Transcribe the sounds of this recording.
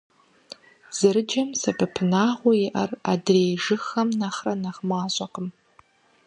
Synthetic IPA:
z̥ɨɾɨd͡ʒɐmsɐbɨpʰɨnaːʁʷɔɪʔɐra̰dreːjʐɨxɐmnaχrɐnaʁmaːɕʷʼɐqəm

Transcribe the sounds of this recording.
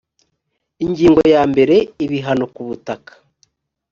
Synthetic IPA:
iɲɟiːŋɡojaːmbe̞ɾe̞iβiɦano̞kuβutakḁ

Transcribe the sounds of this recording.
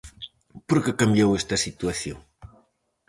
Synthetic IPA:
poɾkɪkambjowest̪ɐsit̪waθjo̰ŋ

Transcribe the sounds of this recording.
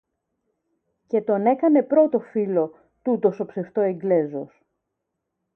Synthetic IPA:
ce̞t̪o̞ne̞kɐne̞pɾo̞t̪o̞filo̞ | t̪ut̪o̞so̞pse̞ft̪o̞e̞ŋɡle̞zo̞s

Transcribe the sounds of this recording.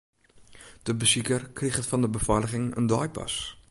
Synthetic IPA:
d̥əbəzikərkriχətfɑndəbəfɑləχɪŋə̰ndɑjpɑ̰s

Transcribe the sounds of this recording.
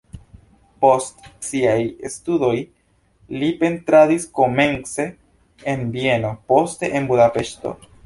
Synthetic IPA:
po̞stsiajest̪udo̞j | lipe̞nt̪ɾadisko̞me̞nse̞ | enbie̞nopo̞st̪eʔenbuðape̞ʃt̪o̞̰

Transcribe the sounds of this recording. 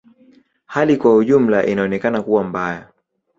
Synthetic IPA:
halikwauʄum̩laʔinaɔnɛkanakuwambaja

